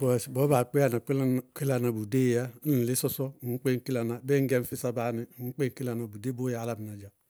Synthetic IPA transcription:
bɔ˨si˨bo˨˦ba˨k͡pe˦a˨na˨ki˦lki˦la˨na˨bu˨de˦˨ja˦n̩˦˨li˦sɔ˦sɔ˦˨˦k͡pe˦ŋ˨ki˦la˨na˨be˦ŋ˦ɡe˦n̩˦fi˦sa˦ba˨˦ni˨˦k͡pe˦ŋ˨ki˦la˨na˨bu˨de˦bo˦ja˨˦la˨bi˨na˨d͡ʒa˨

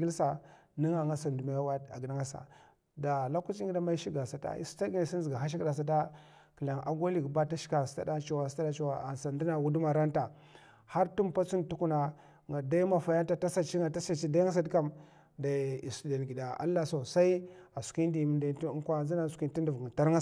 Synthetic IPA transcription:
ɡi˦lsa˨ni˦ŋa˨ŋa˦sa˨ndu˨ma˦wa˦da̰˨ɡi˨da˦ŋa˦sa̰˨ | da˨la˦ku˦t͡ʃi˦ɡi˦da˦ma˦i˦ʃi˦ɡa˨sa˨ta̰˦ḭ˦sta˦ɡa˨si˦nzi˨ɡa˨ɦa˦ʃ̬i˦kda˨s̬a˦t̬a˦ | ki˨la˨ŋa̰˨ɡa˦li˨ɡba˦ta˦ʃi̥˦ka˨sta̰˦da˦t͡ʃa˦wa˨sta˦da˦t͡ʃu˦wa˨a˨n˨sa˨ndi˦na˨wu˦du˦ma˨ɾa˦nta˨ | ha˦ɾtu˦mpa˦t͡su˦ntu˦ku˦na˨ | ŋa˨da˦i˦ma˦˨fa˨ja˦n˦ta˦ta˦sa˦t͡ʃi˦ŋa˨ta˦sa˦t͡ʃi˦da˦ŋa˦s̬a˦dka˦m | da˨i˨stda˨n˨ɡi˨da˨a̰˦lːa˦so˨sa˦i˦a˨su̥˨ki˦n˦di˨m˨nda˨tŋ˦kʷa˦˨zi˦na˦˨su̥˨ki˦nti˦ndu˨vta˦ɾŋa˦

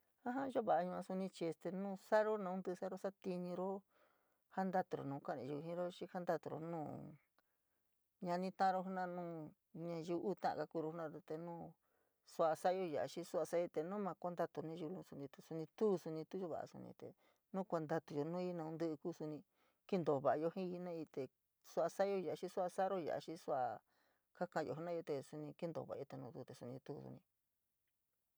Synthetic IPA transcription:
ã˦ɦã˦ʒo˦βa˨a˧ɲũ˧ã˧su˧nĩ˧t͡ʃi˧e˧st̪e˧nũː˦sa˦ɾo˦nã˧ũ˧˦nd̪ɨ˧sa˦ɾo˦sa˦t̪i˧ɲĩ˧ɾo˦ | ha˦nd̪a˦t̪u˧ɾo̰˨nũ˨˧ka˦˨nĩ˧ʒu˧ɦĩ˦ɾo˦t͡ʃi˦ha˦nd̪a˧t̪u˧ɾo̰˧nũː˦ | ɲã˧nĩ˧t̪ã˦ã˧o˦ɦu˦nã˧nũː˦ | ɲã˧ʒu˧ʔu˦t̪ã˦ʔa̰˧ka˧kuː˧ɾo˧hu˦nã˧ɾo˧t̪e˧nũː˦ | su˧˦a˧sa˦jo˧ja˨ʔa̰˨ʃi˦su˦a˧sa˦i˧t̪e˧nũ˦mã˧ko˦nd̪a˧t̪u˧nĩ˦˧u˧lũ˧˦su˧nĩ˧t̪u˧su˧nĩ˧t̪u˦˧su˧nĩ˧t̪u˦jo˧βa̰˨a̰˧sṵ˧nḭ̃˧t̪ḛ˨ | nũ˦kʷa˧nd̪a˧t̪u˧jo˧nũ˦i˦nã˧ũ˧nd̪ɨ˦ɨ˧kuː˦su˧nĩ˧ | ki˦nd̪o˨βa˨a˧jo˧hĩ˦i˧nã˦i˧t̪e˨ | su˦a˧sa˦jo˦˧ja˨a˨˧ʃĩ˦su˦a˧sa˦ɾo˦ja̰˨ʔa̰˨˧ʃĩ˦su˦a˧ | ka˦kã˧jo̰˧˨˦nã˦jo˧t̪e˧su˧nĩ˧ki˦nd̪o̰˨βa̰˨a̰˧˦o˧e˧nũː˧t̪u˧t̪e˨su˧nĩ˧t̪u˦˧˨sṵ˧nĩ˧

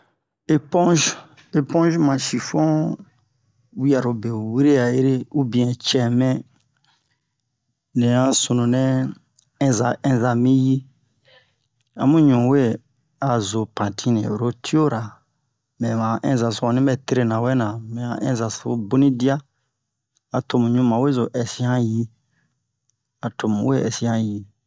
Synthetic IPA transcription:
e˦pɔ̃˦ʒ | e˨pɔ̃˦ʒmã˨ʃi˨fɔ̃˦ | wi˦ja˨ɾo˨be˨wi˦ɾe˦a˨e˦ɾe˦u˦bĩ˨ɛ̃˨t͡ʃɛ˨mɛ̃˦ | nɛ̃˨ã˦su˨nũ˨nɛ̃˦ | ɛ̃˦za˨ɛ̃˦za˨mĩ˦ji˦ | a̰˨mũ˦ɲũ˨we˦ | a˨zo˨pã˨tʰĩ˦nɛ̰̃˨o˨ɾo˦tʰi˦o˦ɾa˨ | mɛ̃˨mã˨ʔɛ̰̃˦za˨so˦a˨nĩ˦bɛ˦te˦ɾe˦˨nã˨wɛ˦nã˨mɛ̃˨ã̰˨ʔɛ̰̃˦za˨sbo˦nĩ˦di˦a˦ | a˨to˨mũ˨ɲũ˦mã˨we˦zo˨ʔɛ˨si˦hã˦ji˦ | a˨tʰo˨mṵ̃˨we˦ɛ̰˨si˦ã˦ji˨

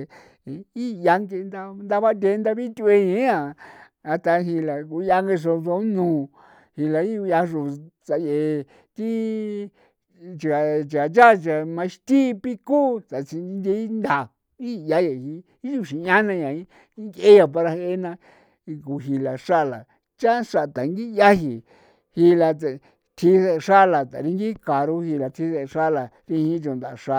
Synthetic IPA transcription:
i˦˧ja˧ŋɡe˧nd̪a˧nd̪a˧βa˦nd̪ʲe˧˦nd̪a˧βi˦t̪ʲu˧e˧ɲĩ˨˦ã˨ | a˧t̪a˧ɦi˧la˨ku˧˦ja˧ŋɡe˧ʂ̬o˧so˧˦nũː˨ | hi˧la˨i˦u˧a˧ʐu˨t͡sa˧je˨ | t̪i˦ | t͡ʃa˨t͡ʃi˨a˨t͡ʃa˦˨˧t͡ʃa˨mã˧ʃt̪i˦˧pi˦kuː˦t͡sa˨t͡ʃi˧n˧nd̪e˧˦i˦nd̪a˨ | i˦˧ja˦je˨˧hi˧ | i˦t͡ʃu˧˨ʃi˨˧ã˦nã˧jã˨i˦ | ŋke˦ja˧p̬a˧ɾa˧he˦nã˧ | ku˧ɦi˧la˨ʂa˦˨la˨ | t͡ʃa˦ʂa˧˨t̪a˨˧ŋɡi˦˧ja˦hi˨ | hi˧la˧t̪ | t̪ʰi˧˦se˧ʂa˦˧la˨t̪a̰˨ɾi˧ŋɡi˦ka˨ɾu˧˦hi˧la˧t̪ʰi˧˦se˧ʂa˦la˨ | ɾi˧hĩ˦t͡ʃo˧˨nd̪a˨˧˨ʂa˧

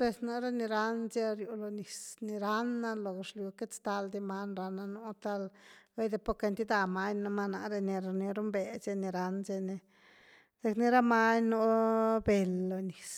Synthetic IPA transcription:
pe˧sna˧ɾe˦ni˧ɾa˦nze˦ɾju˧lo˨˧ni˨sni˧ɾa˧˦nːa˧lo˨ɡe˧ʂlju˧ke˦t͡st̪a˧ld̪i˧ma˦nɾa˧na˧nu˦t̪a˦lbe˦jd̪e˧po˦ke˧nt̪i˦d̪a˧ma˧˦ɲno˧ma˦na̰˧˨ɾe˧ni˧ɾo˧ni˧ɾu˦mbe˨ze˧ni˧ɾa˧˦nze˧ni˧ | z̥e˧kni˧˦ɾa˦ma˦ɲno˦be˨lːo˨ni˨s

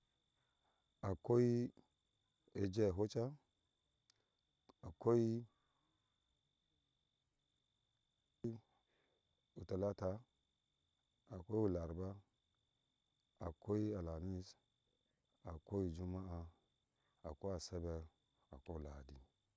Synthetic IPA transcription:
a˨ko˦i˦ | e˨d͡ʒe˦˨ɦo˦t͡ʃa˦ | a˨ko˦i˦ | u˨ta˨la˦ta˨ | a˨ko˦i˦u˨la˨ɾba˦ | a˨ko˦i˦a˨la˨ni˦s | a˨ko˦i˦d͡ʒu˦ma˦a˦ | a˨ko˦a˨se˦be˦ | a˨ko˦˨la˨di˦˨

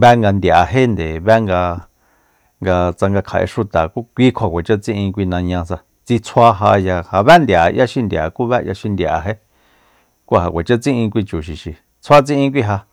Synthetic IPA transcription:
βɛ˦ŋɡa˧nd̪ja˨ɦe˦nd̪e˨βɛ˦ŋɡa˧ | ŋɡa˧t͡sa˧ŋɡa˧kʰa˨ʔḛ˧ʂu˧t̪a˨ku˦kʷi˦kʰa˨kʷe˨t͡ʃa˦t͡sĩ˦ʔĩ˧kʷi˧nã˧ɲã˧sa˧ | t͡si˧t͡sʰʷa˦ɦa˧ja˧ha˧βɛ˦nd̪ja˨ja˦ʃi˧nd̪ʲja̰˨ku˦βɛ˦ja̰˧ʃi˧nd̪ja˨ɦe˦ | kʷu˦˨ɦa˧˨kʷe˨t͡ʃa˦t͡sĩ˦ʔĩ˧kʷi˧t͡ʃu˨ʃi˨ʃi˨ | t͡sʰwa˦t͡sĩ˦ʔĩ˧kʷi˦ɦa˧

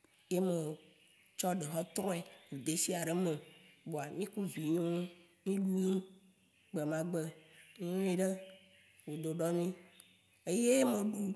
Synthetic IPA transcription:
je˦mẽ˨ | t͡ʃɔ˦ɖe˨ɦɔ˦t̪ɾɔ̃˦e˨wu˨d̪e˨˦si˦a˨ɖe˨mẽ˨bo˨a˨mĩ˦ku˦vi˨ɲɔ̃˦ | mĩ˦ɖu˦ji˦ũ˦ | ɡ͡be˨mã˨ɡ͡be˨˦õ˦i˨ɖe˦ | wo˨d̪o˨ɖɔ˦mĩ˦ | e˦je˦mẽ˨ɖu˦

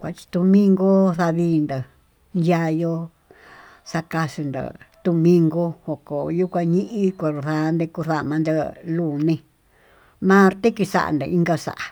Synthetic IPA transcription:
kʷa˨t͡ʃi̥˧t̪u˧mĩ˦ŋɡo˦θa˧βiː˧˦nd̪a˨ | nja˦˧jo˦ | sa˧ka˧ʂi˧nd̪a̰˨t̪u˧mĩ˧ŋɡo˦ho˧˨ko˨ju˦kʷã˧ɲĩ˦ʔĩ˦kʷa˧ɾu˧θa˧˦nd̪e˧ku˧θa˦ʔmã˧nd̪e˧lu˦˨nĩ˧ | mã˦ɾt̪e˦ki˧sa̰˦˨ʔa̰˧˨nd̪ḛ˧i˦ŋɡa˦˧sa̰˧˨ʔa˨

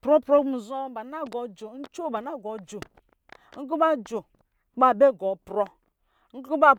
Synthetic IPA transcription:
pɾɔ˦pɾɔ˦ɡ͡bu˦˨zɔ˦ba˨na˦ɡɔ˨d͡ʒo˨˦n̩˦t͡ʃo˦˨ba˨na˦˨ɡɔ˨d͡ʒo˨ | ŋ̩˦ku˦ba˦d͡ʒo˨ | k͡pa˦˨be˦˨ɡɔ˨pɾɔ˦ | n̩˦ku˦ba˦

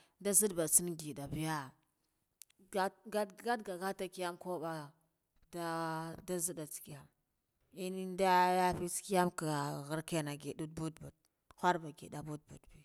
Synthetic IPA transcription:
da˦zi˦dba˨dsi˦n˦ɡi˨da˨bi˦ja˦ | a˦ɡa˦ɡa˦dɡa˨ɡa˦ta˦ki˦ja˦mko˦ba˦ | da˦da˦zi˦da˨t͡ski˨ja˨m | i˦ni˦nda˦ja˦fi˦ski˦ja˦mka˨ɣə˦ɾka˦˨na˨ɡe˨ɗu˦d̚bu˦dbu˨d̚ | xʷa˦ɾba˨ɡḛ˨da˨bu˦d̚bṵ˨dbi˨

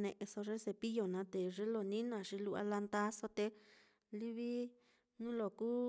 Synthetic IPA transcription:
nḛ̃˧ʔe˧so˧ʐe˦se˧pi˦jo˨nã˨˧˦t̪e˨ʐe˦lo˧˨nĩ˦nã˧˨ʂi˧lu˦˧ʔa̰˧la˧nd̪a˧˦so˧t̪e˧ | li˦βi˦ | nũ˦lo˨kuː˦

